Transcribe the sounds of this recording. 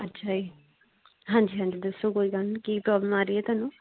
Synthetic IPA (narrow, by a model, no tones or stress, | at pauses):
ətːʃʰaːiː | ɦãːɲd͡ʒiːɦãːɲd͡ʒiːd̪əsoːkoːiːkəlkiːpɾɔːbləmaːɾiːɛːt̪aːnũː